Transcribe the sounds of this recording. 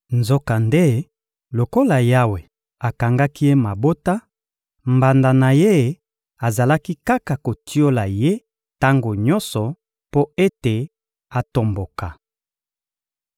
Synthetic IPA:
nzo˦ka˨nde˦ | lo˨ko˦la˨ja˦we˨ | a˨ka˨ŋɡa˦ki˦je˦ma˨bo˦ta˦ | mba˨nda˨na˨je˦ | a˨za˨la˦ki˦ka˦ka˨ko˨ti˦o˦la˨je˦ | ta˦ŋɡo˨ɲɔ˦nsɔ˨ | po˦e˦te˨ | a˨to˨mbo˨ka˨

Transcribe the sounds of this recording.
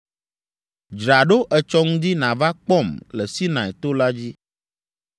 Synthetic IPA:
d͡ʒɾa˨ɖo˦ʔɛ˨t͡ʃɔ˦ŋũ˦d̪i˦nã˨va˦k͡pɔ˦˨mlɛ˨si˦nã˨ɛ˨t̪o˦la˦d͡ʑi˦

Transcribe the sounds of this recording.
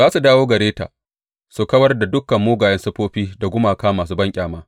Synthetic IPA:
zaː˦su˨daː˦woː˦ɡɐ˨ɾeː˦ta̰ː˨ | su˨kɐ˦wɐ˦rda˨dʊ˦kːɐ˨mːoː˦ɡaː˨jɐ˦nsɐ˦ɸoː˦ɸiː˦da˨ɡʷʊ˦maː˨kaː˦maː˨s̬uː˦bɐ˦ŋkʲʼaː˨maː˦

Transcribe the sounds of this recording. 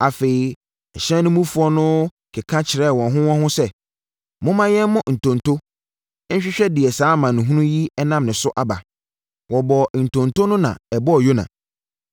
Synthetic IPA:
a˨fe˨i˨ | ɛ˨ɕɛ̃˦nʊ̃˦mũ˦fu˦ɔ˦nʊ̃˦ | kʰɪ˨kʰã˦t͡ɕʰɪ˨ɾɛ˦˨wɔ̃˨nɦʊ̃˦wɔ̃˦hʊ̃˦sɛ˦ | mʊ̃˦mã˦jɛ˦n˦mʊ̃˦n̩˨tʰɔ̃˨ntʰo˦ | ɲ̩˦ɕᶣɪ˦ɕᶣɛ˦dɪ˨ɛ˨saː˨˦mã˨nʊ̃˨ɦũ˦nũ˦ji˦ɛ˦nã˦mnɪ̃˨sʊ˦ʔa˨ba˨ | wɔ˨bɔ˨n̩˨tʰɔ̃˨ntʰo˦nʊ̃˦nã̰˨ɛ˨bɔ˦ɔ˨jo˦nã̰˨

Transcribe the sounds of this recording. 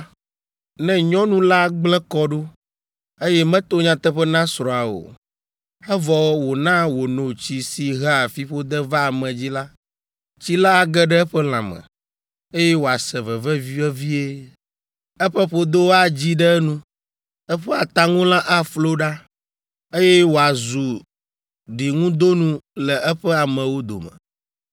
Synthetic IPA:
nɛ̃˦ɲɔ̃˦nũ˦la˦ɡ͡blɛ˦kɔ˦ɖo˦ | e˦jɛ˦mɛ̃˦t̪o˦ɲã˨t̪ɛ˦ɸɛ˦nã˦sɾɔ̃˨a˨o̰˨ | ɛ˦vɔ˨wwo˨nã˦wo˨nõ˨t͡ɕi˦si˨ɦɛ˦a˨fi˦ɸo˦d̪ɛ˦va˦˨mɛ̃˨d͡ʑi˦la˦ | t͡ɕi˦la˦a˨ɡɛ˦ɖɛ˦ɛ˦ɸɛ˦l̃ã̰˨mɛ̰̃˨ | e˦jɛ˦wo˨a˨sɛ˨vɛ˨vɛ˦vi˦ɛ˦vi˦e˦ | ɛ˦ɸɛ˦ɸo˦d̪o˦wa˨d͡ʑi˦ɖɛ˦nũ˦ | ɛ˦ɸɛ˦a˨t̪a˦ŋũ˦lã˦ʔa˦flo˦ɖa˦ | e˦jɛ˦wo˨a˨zu˨ | ɖi˨ŋũ˦d̪o˦nũ˦lɛ˨ɛ˦ɸɛ˦a˨mə̃˨wo˦d̪o̰˨mə̰̃˨

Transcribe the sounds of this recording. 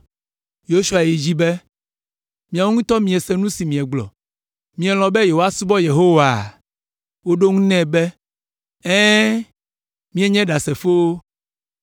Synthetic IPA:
jo˦ʃu˦a˨ji˨d͡ʑi˦bɛ˦ | mĩ˨a˨wo˦ŋũ˦t̪ɔ˦mĩ˨ɛ˨sɛ˨nũ˦si˨mĩ˨ɛ˨ɡ͡blɔ̰˨ | mĩ˦ɛ˨l̃ɔ̃˨bɛ˦je˨o˦a˦su˦bɔ˦je˨ɦo˦wa˨ | wo˦ɖo˦ŋũ˦nɛ̃˦bɛ˦ | ɛ̃˦ | mĩ˦ɛ˦ɲɛ̃˦ɖa˨sɛ˨fo˦o˦

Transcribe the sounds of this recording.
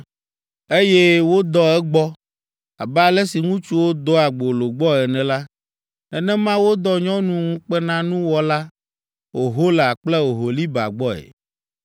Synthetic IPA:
e˦jɛ˦wo˦d̪ɔ˦ɛ˦ɡ͡bɔ˦ | a̰˨bɛ˦a˨lɛ˦si˨ŋũ˦t͡ʃu˦wo˦d̪ɔ˦a˨ɡ͡bo˨lo˨ɡ͡bɔ˦ɛ˨nɛ̃˨la˦ | nɛ̃˨nɛ̃˦mã˦wo˦d̪ɔ˦ɲɔ̃˦nũ˦ŋũ˦k͡pɛ˦nã˦nũ˦wɔ˦la˦ | o˨ɦo˦lɛ˨a˨k͡plɛ˦o˨ɦo˨li˦ba̰˨ɡ͡bɔ˦ɛ̰˨

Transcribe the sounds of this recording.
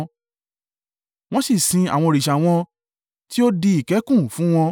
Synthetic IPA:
w̃ɔ̃˦si˦˨sĩ˨˧a̰˨w̃ɔ̃˧o˨ɾi˨ʃa˨w̃ɔ̃˧ | ti˦o˦di˧i˦˨kɛ˨˦kũ˦˨fũ˨˦w̃ɔ̃˧

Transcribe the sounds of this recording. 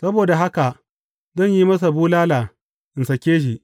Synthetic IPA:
sɐ˦boː˨da˨ɦa˦ka˨ʔ | zɔ˦˨ɲjiː˦mɐ˦s̬a˨buː˦laː˦laː˨ | ʔɪ˨nsɐ˨kʲeː˦ʃ̬i˨

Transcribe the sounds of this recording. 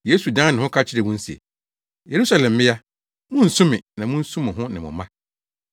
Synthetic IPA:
je˦su˨dã˦nɪ̃˨hʊ̃˦kʰa˦t͡ɕʰɪ˦ɾɛ˨wʊ̃˦n̩˦sḛ˨ | je˨ɾu˦sa˦lɛ̃˨mː˨ɪ˦ja˦ | mʊ̃˦n̩˨sʊ̃˦mɪ̃˨nã˨mʊ̃˦n̩˦sũ˦mɪ̃˨ɦʊ̃˦nɪ̃˨mʊ̰̃˨mã˦

